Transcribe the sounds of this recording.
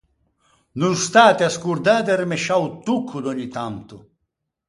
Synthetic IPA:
nunst̪aːt̪ɪaskuɾd̪aːd̪̬ɛrimeʃawt̪ukʰːud̪oɲːit̪ant̪ʊ

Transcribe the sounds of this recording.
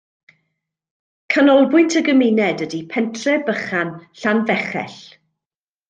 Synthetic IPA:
kʰanɔlˠbʊjntʰəɡəmɪnɛdədipʰɛntʰrɛbəχanɬanvɛχɛ̰ɬ

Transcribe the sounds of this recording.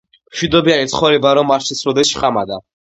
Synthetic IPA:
mʃwid̪ɔbianisʰχɔɾibaɾɔmaɾt͡ʃʰisɾɔd̪ɛsʃχʼamad̪a

